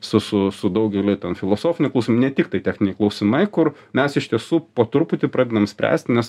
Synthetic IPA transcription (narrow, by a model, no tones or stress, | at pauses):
sʊsʊsʊd̪ɐʊɡʲɛlʲɪt̪ʲɛnfʲɪlˠoːsoːfʲɪnʲɪklˠuʊsʲmnʲɛt̪ʲɪk̚t̪ɐɪt̪ʲæːxnʲɪnʲɛɪklˠɒʊsʲɪmɐɪkʊr | mʲɛsɪʃt̪ʲiɛsuːpoːt̪ʊɾpʊt̪ʲɪpɾɑːd̪ʲed̪ɐmsʲpʲɾʲæ̰ːsʲt̪ʲnʲɛs